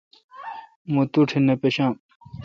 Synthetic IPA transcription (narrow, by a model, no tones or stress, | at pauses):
mut̪uʈʰinepeɕãː